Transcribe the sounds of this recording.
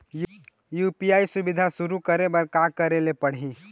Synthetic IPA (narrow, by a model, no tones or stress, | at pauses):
juːpijaːisʊbɪd̪ʱasʊɾukəɾebəɾkakəɾelepɐɽ̤ĩ